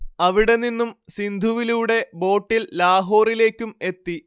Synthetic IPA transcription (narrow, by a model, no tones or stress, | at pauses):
ɐʋiɽe̞ninːumsind̪ʱuʋiluːɽe̞bo̞ːʈːillaːɦo̞ːrile̞ːkʲːume̞t̪ːi